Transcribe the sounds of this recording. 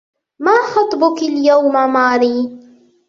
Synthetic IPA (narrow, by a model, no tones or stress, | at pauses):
maːxɑt̪ˤbʊkaljawmamaːɾiː